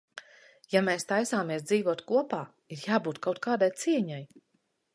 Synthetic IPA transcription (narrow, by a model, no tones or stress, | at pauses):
jameːst̪ajsaːmiɛsd̪ziːvuɔt̪kuɔpaː | iɾjaːbuːt̪kʰawt̪̚kaːd̪ajt̪siɛɲaj